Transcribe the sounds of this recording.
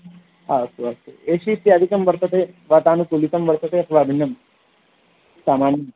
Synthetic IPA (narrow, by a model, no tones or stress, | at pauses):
ɦasuasṵeɕit̪ːjaːd̪ʱikɐmʋɐɾt̪ət̪eʋat̪aːnukulit̪ɐmʋɐɾt̪ɐt̪eɐt̪ʰɐʋaːbʱinːɐm | saːmaːnj